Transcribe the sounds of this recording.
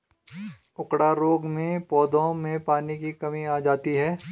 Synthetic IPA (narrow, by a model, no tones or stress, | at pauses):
ʊkɽaɾoːɡmẽpɔːd̪õmẽpaːnikikɐmiaːd͡ʒaːt̪iɦɛː